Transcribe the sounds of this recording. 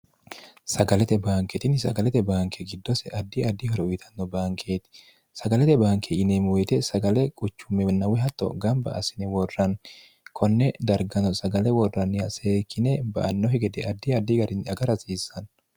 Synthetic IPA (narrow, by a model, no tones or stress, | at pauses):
sɐɡɐlɛt̪ɛbaːŋkɛt̪ɪnsɐɡɐlɛt̪ɛbaːŋkʰɛɡɪd̪ːɔsɛʔɐd̪ːɪɐd̪ːɪhɔɾɛʊjt̪ʰɐnːɔbaːŋkʰeːt̪ɪ̥ | sɐɡɐlɛt̪ɛbaːŋkʰɛɪnemwet̪ɛsɐɡɐlɛkʼʊt͡ʃːʊmːɛnːɐwɛɦɐt̪ːɔ̰ɡɐmbɐ̰ʔɐ̰sɪnɪwɔrːɐn | kʰɔnːɛd̪ɐɾɡɐnɔsɐɡɐlɛwɔrːɐnːɪjɐseːkʰːɪnɛbɐ̰ʔɐnːɔɦɛɡɛd̪ɛʔɐd̪ːiɐd̪ːɪɡɐɾɪnɐɡɐɾɐsiːsːɐn